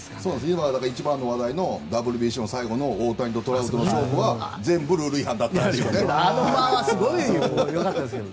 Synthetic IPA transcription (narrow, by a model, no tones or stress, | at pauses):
sonãsimad̪akaɾit͡ɕibãnːo̞βad̪aino̞d̪abɯ̟ɾɯbʲiɕõ̞saiɡo̞no̞oːt̪aɲit̪o̞t̪o̞ɾaɯ̟t̪onoɕoːɸɯβad͡zẽ̞mbɯ̟ɾɯːɾɯ̟ihãnd̪at̪ːat̪ːejoonenmaasɨɡoijokat̪aske